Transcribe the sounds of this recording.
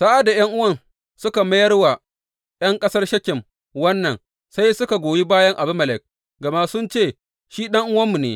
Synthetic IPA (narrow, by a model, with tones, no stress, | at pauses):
sa˦ʔa˨da˨jɐ˦ŋʔʊ˦wɐ˦˨n | sʊ˦ka˨mɐ˦jɐ˦rwa˨ | jɐ˦ŋkʼɐ˦sɐ˦rʃɐ˦kʲɪ˨m | wɐ˦nːɐ˨n | sa˦jsʊ˦ka˨ɡʷoː˨ji˦baː˦jɐ˦ŋʔa˨bʊ˦mɐ˨lɛ˨k̚ | ɡɐ˨ma˦sʊ˦nt͡ʃeː˦˨ | ʃiː˦ɗɐ˦ŋʔʊ˦wɐ˦mːu˨nḛː˨